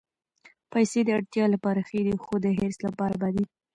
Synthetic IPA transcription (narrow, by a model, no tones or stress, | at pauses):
pajsed̪əaɽt̪jɑlapɑɾaxed̪ixod̪əɦeɾslapɑɾabad̪i